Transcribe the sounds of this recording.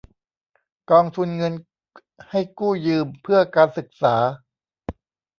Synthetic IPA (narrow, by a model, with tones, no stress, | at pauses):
kɔː˧ŋt̪ʰu˧nŋɤ˧n | ha˥˩jkuː˥˩jɯː˧mpʰɯ˥˩ɐkaː˧nsɯ˨˩k̚saː˩˦